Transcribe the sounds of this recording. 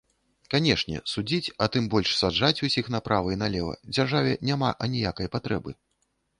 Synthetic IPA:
kanʲɛʂnʲɛ̰sud͡zʲit͡sʲɐt̪ɨmbɔlʲʂsad͡ʐat͡sʲusʲixnapɾʔavɨinalʲɛvɐ̰d͡zʲarʐavʲɛnʲamaʔɐnʲijakɐjpat̪ɾɛbɨ

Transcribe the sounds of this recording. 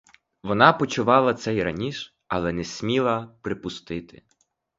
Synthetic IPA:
ʋɔnɑpɔt͡ʃʊʋɑlˠɐt̪sɛjrɐnʲiʃ | ɐlˠɛnɛsʲmʲilˠɐpɾɪpʊst̪ɪt̪ɪ

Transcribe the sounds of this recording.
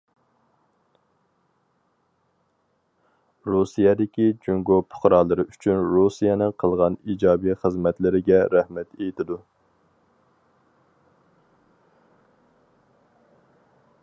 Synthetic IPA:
ɾusijɛd̪ɪkʲid͡ʒoŋɡopʰʊ̥χɾɑːlˠɨɾɨʔyt͡ʃʰynɾusijɛnɪqʰəlˠʁɑnid͡ʒɑːbiχəzmɛt̪lɪɾɪɡʲɛɾæhmɛt̪ejit̪ʰɪd̪u

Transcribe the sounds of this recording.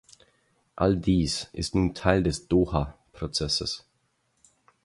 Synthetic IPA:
ʔaldiːsʔɪstnuːntʰaɪldɛsd̥oːhapʁ̥ot͡sɛsəs

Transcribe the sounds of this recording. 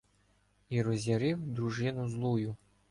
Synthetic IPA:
iɾɔzʲaɾɪwd̪ɾuʒɪnʊzlˠujʊ

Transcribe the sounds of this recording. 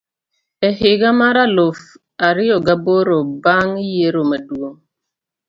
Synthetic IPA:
ɛhɪɡamaɾalof | aɾɪɔɡaboɾobaŋijeɾomaduo

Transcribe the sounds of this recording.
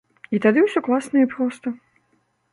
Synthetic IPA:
it̪ad̪ɨwsʲɔklˠasnɐipɾɔst̪ɐ

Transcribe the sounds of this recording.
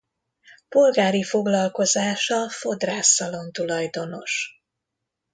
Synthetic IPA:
po̞lɡaːɾifo̞ɡlɒlko̞zaːʃɒfo̞d̪raːsɒlo̞nt̪ulɒjd̪o̞no̞ʃ

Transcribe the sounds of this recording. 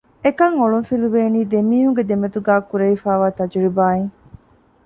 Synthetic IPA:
ekɐŋoɭunfiluʋeːniːd̪emiːɦuŋɡed̪emɐt̪uɡæːkuɾɐifaːʋaːt̪ɐd͡ʒuɭibaːeŋ

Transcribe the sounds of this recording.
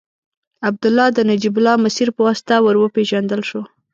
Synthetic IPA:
ab̚d̪ʊlːɑd̪ənad͡ʒibʊlɑmasiɾpəwɑst̪ɑwəɾwəpeʒand̪əlʃo

